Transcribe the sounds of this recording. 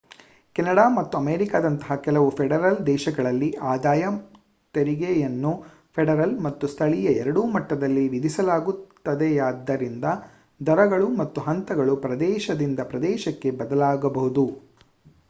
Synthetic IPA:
kɛnɐɽaːmɐt̪ːuɐmeːɾikaːd̪ɐnt̪ɐɦɐkɛlɐʋupʰɛɽɐɾɐld̪ɛːʃɐɡɐɭɐlːiʔaːd̪aːjɐ | t̪eɾiɡejɐnːu | pʰɛɖɐɾɐlmɐt̪ːust̪ʰɐɭijɐɛɾɐɽuːmɐʈːɐd̪ɐlːiʋid̪isɐlaːɡut̪ːɐd̪ɛjaːd̪ːɐɾind̪ɐ | d̪ɐɾɐɡɐɭumɐt̪ːuɦɐnt̪ɐɡɐɭupɾɐd̪ɛːʃɐd̪ind̪ɐpɾɐd̪ɛːʃɐkːe̞bɐd̪ɐlaːɡɐbɐɦud̪u

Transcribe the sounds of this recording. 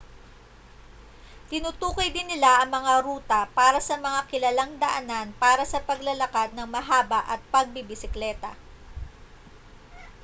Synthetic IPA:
t̪ɪnʊt̪uːkojd̪ɪnːɪlaʔɐŋmɐŋaɾuːt̪ɐpaːɾɐsɐmɐŋakɪlɐlaŋd̪ɐʔɐnanpaːɾɐsɐpɐɡlɐlɐkad̪̚nɐŋmɐɦaːbɐʔɐt̪̚pɐɡ̚bɪbɪsɪklɛːt̪ɐ̰

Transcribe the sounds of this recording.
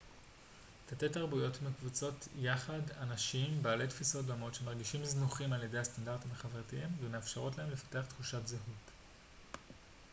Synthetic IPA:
tʰatetaʁbujo̞tmekvut͡so̞tʰjaχadanaʃimbaːle̞tfiso̞t̚domo̞tʃe̞maʁɡiʃimznuχimalje̞de̞jastandaʁtimaχaveʁtiimvemeafʃeʁo̞tlaemle̞fḁte̞aχt̪χuʃatzeɦut

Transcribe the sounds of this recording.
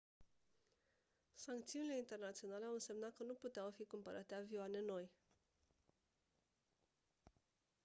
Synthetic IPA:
saŋk̚t̪siunile̞int̪e̞rnat̪sio̞nale̞awɨnse̞mnat̪̚kənuput̪eawfikumpəɾʔat̪eavioane̞no̞j

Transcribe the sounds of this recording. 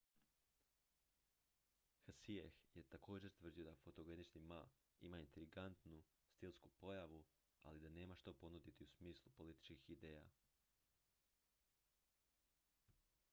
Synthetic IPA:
xasiexjet̪ako̞ːd͡ʒe̞ɾt̪ʋr̩d̪ijo̞d̪afo̞t̪o̞ɡenit͡ʃnima | ḭmaint̪ɾiɡant̪nu | st̪ilˠskupo̞jaʋu | a̰lid̪ane̞ːmaʃt̪opo̞nud̪it̪iusmiːslˠupo̞lit̪i̥t͡ʃkixid̪eːja̰

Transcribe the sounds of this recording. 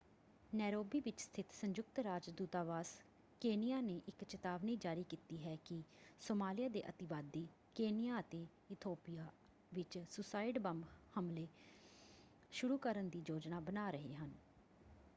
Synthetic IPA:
nɛːɾoːbiːʋɪt͡ʃst̪ʰɪt̪səɲd͡ʒʊk̚t̪ɾaːd͡ʒd̪uːt̪aːʋaːs | keːnɪjaːneːʔɪkt͡ʃɪt̪aːʋniːd͡ʒaːɾiːkiːt̪iːɦɛːkɪsoːmaːlɪjaːd̪eːʔət̪ɪʋaːd̪iː | keːnɪjaːət̪eː | ɪt̪ʰoːpijaː | ʋɪt͡ʃsʊsaːɪɖbəmbhəmleː | ʃʊɾuːkəɾənd̪iːd͡ʒoːd͡ʒnaːbənaːɾəɦḛːɦən

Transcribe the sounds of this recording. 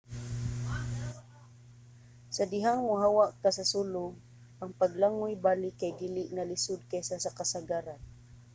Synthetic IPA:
sad̪ɪɦaŋmʊɦawaʔkasasulʊɡ̚ | ʔaŋpaɡlaŋʊjbaːlɪkajd̪ilɪʔŋalɪsʊd̪̚kajsasakasaɡaːɾan

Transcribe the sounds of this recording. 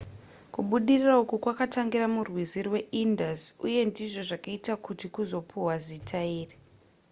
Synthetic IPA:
kuɓuɗiriraukukwakataŋɡiɾamurwizirwe̞indazuje̞ndiʐo̞ʐakaitakutikuzo̞pʰuwazitʰaiːri

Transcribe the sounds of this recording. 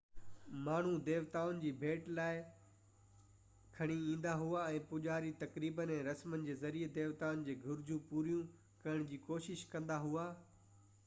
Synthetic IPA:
maːɳ̤ũd̪eːʋt̪aːʋʊnɪ̆d͡ʑiːbʱeːʈlaːɪ | kʰɐɽ̃iĩːn̆d̪aɦuaɛ̃ːpʊʄaːɾit̪ɐkɾiːbənẽɾɐsmənɪ̆d͡ʑeːzɐɾied̪eːʋt̪aːʊnɪ̆d͡ʑeːɡʱʊɾd͡ʑũpuːɾijũ | kɐɪɽ̃d͡ʑiːkoːʃɪʃkɐ̃nd̪aɦuaː

